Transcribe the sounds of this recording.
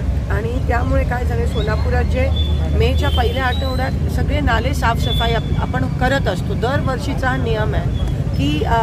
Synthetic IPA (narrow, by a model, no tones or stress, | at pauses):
aɽ̃it̪jamuɭekajd͡zʱaɽ̃esonapuɾat͡ɕemet͡ɕjapəɦilẽaʈə̃ɦoɽjat̪səɡɭenalesafsəfajaa̰pəɳkəɾət̪əst̪od̪əɾʋəɾʂit͡sanijəmɛkiː